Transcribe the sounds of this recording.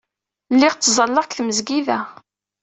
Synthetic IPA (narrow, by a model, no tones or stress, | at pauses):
lːɪʁt͡s̪ːzˤɑlːɑʁkθməzɡiðæ